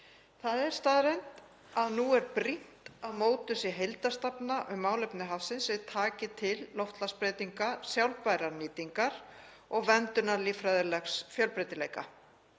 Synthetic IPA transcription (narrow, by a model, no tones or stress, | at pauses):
θaðɛɾ̥st̪aːðɾejnt̪ | aðnuɛɾpɾin̥t̪aðmoːwt̪ʏsiɦejlt̪ast̪apnaʔʏmːaːwlejpnɪɦafsɪnsɛt̪ʰaːcɪt̪ʰɪlːɔwft̪laspɾeːjt̪iŋkasjawlpajɾaɾniːt̪iŋkaɾ̥ | ɔɣvɛnt̪ʏnaɾliːfɾaːjðɪlɛxsfjœlpɾejt̪ɪlejka